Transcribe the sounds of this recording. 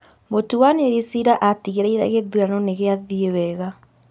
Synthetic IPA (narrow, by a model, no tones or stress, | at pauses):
motuwaneɾisiɾaʔatiɣeɾɛiɾa̰ɣeðwanɔneɣeaðiewɛɣa